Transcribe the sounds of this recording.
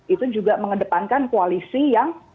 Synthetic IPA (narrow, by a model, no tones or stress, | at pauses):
ʔit̪ud͡ʒuɡaməŋədəpankankualisijaŋ